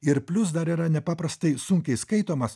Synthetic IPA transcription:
ɪɾpʲlʲʊs̬d̪ɐɾiɾɐnʲɛpɑːpɾɐst̪ɐɪsʊŋʲkʲɛɪskɐɪt̪oːmɐs

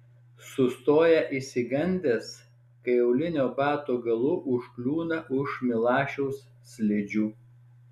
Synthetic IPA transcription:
sʊst̪oːjɛʔisʲɪɡɐnʲd̪ʲeːs | kɐɪɐʊlʲɪnʲoːbɑːt̪oːɡɐlˠʊʔʊʃklʲuːnɐʔʊʃmʲɪlˠɑːʃʲɛʊsːʲlʲɪd͡ʒʲuː

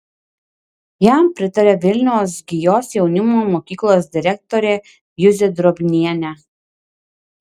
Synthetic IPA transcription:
jæmpʲɾʲɪt̪ɐɾʲɛːʋʲɪlʲnʲɛʊsɡʲɪjoːsjɛʊnʲɪmoːmoːkʲiːklˠoːs̬d̪ʲɪɾʲɛk̚t̪ɔɾʲe | jʊzʲɪd̪ɾɔbʲnʲiɛnʲɛ

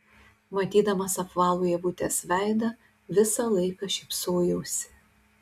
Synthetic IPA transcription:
mɐt̪ʲiːd̪ɐmɐsɐpʋɑːlˠoːjɛʋʊt̪ʲeːsʋʲæˑɪd̪ɐ | ʋʲɪsɐlˠɐɪkɐʃʲɛɪpsoːjɛʊsʲɪ̥

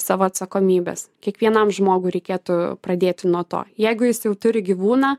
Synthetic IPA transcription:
sɑːʋoːɐt̪sɐkoːmʲiːbʲḛskʲiɛkʋʲiɛnɐmʒmoːɡʊɪɾʲɛɪkʲeːt̪ʊprɐd̪ʲeːt̪ʲɪnuɔt̪o̰ːjɛɪɡʊjɪsjɛʊt̪ʊɾʲɪɡʲiʋuːnɑː

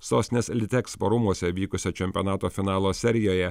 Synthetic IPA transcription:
soːsʲnʲeslʲɪt̪ʲɛkspɐɾʊmuɔsʲɛʋʲiːkʊsʲɛt͡ʃʲɛmʲpʲɔnɑːt̪oːfʲɪnɑːlˠoːsʲɛɾʲɪjoːjɛ

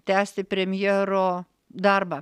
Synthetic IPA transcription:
t̪ʲæːsʲt̪ʲɪpʲɾʲɛmʲjɛːɾoː | d̪ɐɾbɐ

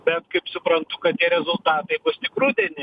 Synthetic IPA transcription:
bʲɛt̪kɐɪpsʊpɾɐnt̪ʊkɐt̪t̪ʲiɛɾʲɛzʊlˠt̪ɑːt̪ɐɪbʊst̪ʲɪkɾuːd̪ʲɛnʲɪ

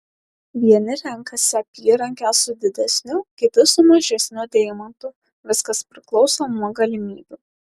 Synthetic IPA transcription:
ʋʲiɛnʲɪɾʲɛŋkɐsʲɛpʲiːɾɐŋʲkʲɛsʊd̪ʲɪd̪ʲɛsʲnʲʊkʲɪt̪ʲɪsʊmɐʒʲɛsʲnʲʊd̪ʲɛɪmɐnt̪ʊ | ʋʲɪskɐspʲɾʲɪklˠɒʊsoːmuɔɡɐlʲɪmʲiːbʲu

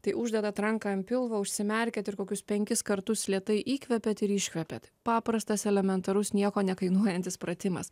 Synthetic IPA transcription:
t̪ɐɪʔʊʒʲd̪ʲɛd̪ɐt̪ɾɐŋkɐmʲpʲɪlˠʋɐʊʃʲsʲɪmʲɛɾʲkʲɛt̪ɪɾkoːkʲʊspʲɛŋʲkʲɪskɐɾt̪ʊslʲiɛt̪ɐɪʔiːkʲʋʲɛpʲɛt̪ɪɾɪʃʲkʲʋʲɛpʲɛt̪pɑːpɾɐst̪ɐsɛlʲɛmʲɛnt̪ɐɾʊsnʲiɛkoːnʲɛkɐɪnuɔjɛnʲt̪ʲɪspɾɐt̪ʲɪmɐ̰s

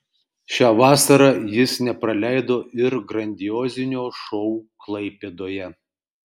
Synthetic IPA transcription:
ʃʲɑːʋɑːsɐɾɑjɪsnʲɛpɾɐlʲæɪd̪oːʔɪɾɡɾɐnʲd̪ʲɪjoːzʲɪnʲoːʃɔʊklˠɐɪpʲeːd̪oːjɛ

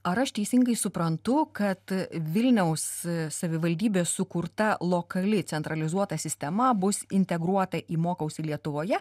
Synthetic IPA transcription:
ɐɾɐʃt̪ʲɛɪsʲɪŋɡɐɪsʊpɾɐnt̪ʊkɐt̪ʋʲɪlʲnʲɛʊsːɐʋʲɪʋɐlʲd̪ʲiːbʲeːsʊkʊɾt̪ɐlˠoːkɐlʲɪt̪sʲɛnt̪ɾɐlʲɪzuɔt̪ɐsʲɪsʲt̪ʲɛmɐbʊsɪnʲt̪ʲɛɡɾuɔt̪ɐʔiːmoːkɐʊsʲilʲiɛt̪ʊʋoːjɛ

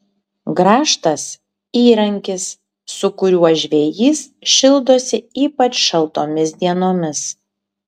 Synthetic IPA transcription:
ɡɾɑːʃt̪ɐs | iːɾɐŋʲkʲɪsː | ʊkʊɾʲuɔʒʲʋʲeːjiːsʃʲɪlˠd̪oːsʲɪiːpɐt͡ʃʃɐlˠt̪oːmʲɪsd̪ʲiɛnoːmʲɪs

